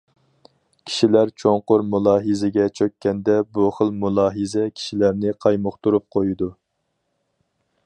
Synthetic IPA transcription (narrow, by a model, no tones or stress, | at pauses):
kʲʰi̥ʃilæɾt͡ʃʰoŋqʊɾmulˠɑːɦɨzɪɡʲɛt͡ʃʰøkʲːɛnd̪ɛbuχəlˠmulˠɑːɦɨzɛkʲʰi̥ʃilæɾnɪqʰɑjmʊχt̪uɾup̚qʰojud̪u